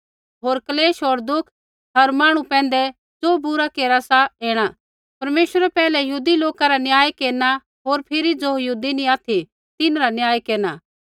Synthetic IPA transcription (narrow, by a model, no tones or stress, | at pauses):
ɦoːɾkɐleːʃɦoːɾd̪ʊkʰ | ɦɐɾmaːɽ̃ũpɛ̃ːn̆d̪ɛ | d͡zoːbʊɾakeːɾasaeːɽ̃a | pɐɾmeːʃəɾɛpɛːlɛjɐɦuːd̪iloːkaɾanjaːjkeːɾna | ɦoːɾpʰɪɾid͡zojɐuːd̪inĩaːt̪ʰi | t̪ɪnɾanjaːjkeːɾna